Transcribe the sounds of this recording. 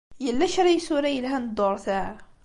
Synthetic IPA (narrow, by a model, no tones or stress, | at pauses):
jəlːæʃɾijsuɾæjəlɦænd̪ˤːoɾˤθæʕ